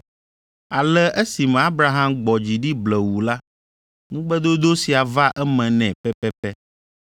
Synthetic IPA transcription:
a˨lɛ˦ʔɛ˦si˨mɛ̃˨a˦bɾa˨ɦã˦mɡ͡bɔ˨d͡ʑi˨ɖi˦blɛ˨wu˨la˦ | nũ˦ɡ͡bɛ˦d̪o˦d̪o˦si˨a˨va˦ʔɛ˦mɛ̃˨nɛ̃˨pɛ˦pɛ˦pɛ˦

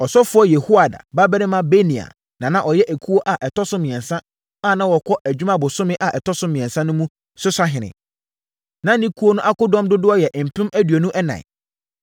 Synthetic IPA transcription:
ɔ˨sɔ˦fʊ˦ɔ˦jɛ˨hu˦a˨da̰˨ba˦bɛ˦ɾɪ̃˦mã˦be˦nĩ˨a̰˨ | nã˨nã˦ʔɔ˨jɛ˦ʔæ˨kʰu˦o˦ʔa˨ʔɛ˨tʰɔ˦sʊ̃˦mɪ̃˨ɛ̃˨nsã˦ | a˦˨nã˦wɔ˨kʰɔ˦ʔæ˨d͡ʑᶣmã˦bʊ˨sʊ̃˦mɪ̃˦ʔa˨ʔɛ˨tʰɔ˦sʊ̃˦mɪ̃˨ɛ̃˨nsã˦nʊ̃˦mũ˦ | sʊ˦sa˦ɦɪ̃˨nɪ̰̃˨ | nã˨˦nĩ˦kʰu˦o˦nʊ̃˦ʔa˦kʊ˦dɔ̃˦mdʊ˦dʊ˦ɔ˦jɛ˨ʔm̩˨pʰɪ̃˦mæ˦dɥo˨nũ˦ʔɛ˦nã̰˨ɪ̰˨

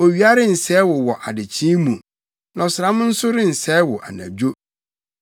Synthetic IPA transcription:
o˨ɥi˨˦a˦ɾɪ˦n̩˨sɛ˦wʊ˨wɔ˨ʔa˨dɪ˨t͡ɕʰɪ̃˦mũ˨ | nã˨ɔ˨sʊ˨ɾã˦mʊ̃˦n̩˦sʊ˦ɾɪ˦n̩˨sɛː˦wɔ˨ʔa̰˨nã̰˨d͡ʑo˦

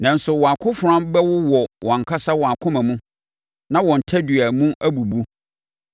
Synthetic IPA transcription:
nã˨n̩˦sʊ˨wɔ̃˨a˨kʰʊ̃˦fʊ˨ɾã˦mbɛ˦wʊ˦wɔ˨wʔɔ̃˨ŋ̩˨kʰa˦sa˦wɔ˨a˨kʰʊ̃˦mã˨mũ˦ | nã˦wɔ̃˨n̩˨tʰa˦dɥæ˨mũ˦ʔæ˦bu˨bu˦

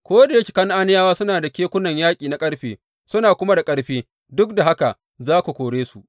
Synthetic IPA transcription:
kʷoː˦da˨jɐ˦kʲi̥˨kɐ˦ŋʔa˦nɪ˦jaː˦waː˦sʊ˦naː˨da˨kʲeː˦kʷʊ˦nɐ˨ɲjaː˦kʲʼiː˨na˦kʼɐ˦ɽɸeː˨ | sʊ˦naː˨kʷʊ˦ma˦da˨kʼɐ˦ɽɸeː˦ | dʊ˦k̚da˨ɦa˦ka˨ | zaː˦ku˨kʷoː˨ɽeː˦su˨ʔ

